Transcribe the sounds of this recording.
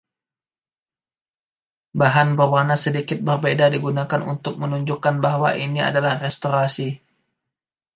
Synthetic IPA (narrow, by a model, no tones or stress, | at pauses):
baɦanbərwanasədikɪt̪̚bərbedadiɡunakanṵnt̪ʊk̚mənuɲd͡ʒukːanbaɦwa̰ʔinia̰dalahrɛst̪oɾasi